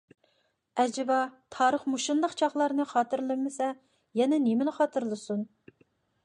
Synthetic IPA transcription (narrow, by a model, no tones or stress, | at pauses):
ɛd͡ʒɪbɑt̪ʰɑːɾəχmuʃund̪əqt͡ʃʰɑχlˠɑɾnɨχɑːt̪ɨɾlˠɨmɪsɛ | jɛnɛnemɪnɨχɑːt̪ʰɨɾlˠɨsun